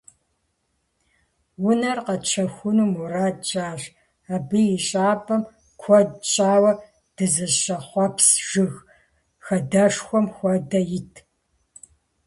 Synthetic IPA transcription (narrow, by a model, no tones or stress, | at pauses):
wʊnɐrqɐt͡ʃʰɐxʷʊnuːmuraːdt͡ʃʼaːɕ | aːbɨjɪɕʼaːpʼɐm | kʷʰɔdt͡ʃʼaːwɐ | d̥ɨzɐɕʼɐχʷɔpsʒ̥ɨx | xɐdɐʂxʷɔmxʷɔdɐjɪtʰ